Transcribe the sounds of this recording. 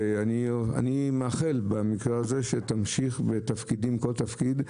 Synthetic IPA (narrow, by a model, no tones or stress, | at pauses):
ania̰nimeaχelbamikʁeaze̞ʃet̪amʃiχbet̪afkidimko̞lt̪afkid̪